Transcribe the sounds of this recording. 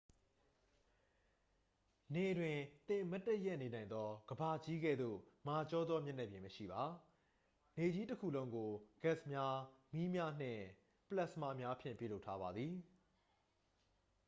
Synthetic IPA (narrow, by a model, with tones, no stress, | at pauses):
ne˨dwɪ̃˨t̪ɪ̃˨mɛ˦tːɛ˦ʔjɛ˦ʔne˨nã˨ɪ̃nd̪ɔ˦ɡ̥əba˨d͡ʑi˦ɡɛ̰˦˨d̪ðo̰˦˨ma˨t͡ɕɔ˦d̪ðɔ˦mjɛ˦˨nɛ˦˨bjɪ̃˨məʃḭ˦˨ba˨ | ne˨d͡ʑi˦təkʰṵ˦˨lõ˦ʊ̃ŋɡo˨ɡ̥ɛ˦˨smja˦mi˦mja˦n̥ɪ̰̃˦˨ | pəla˦˨sma̰˦˨mja˦ʔpʰjɪ̰̃˦˨mpjṵ˦˨lo˦ʊtʰːa˦βa˨d̪ði˨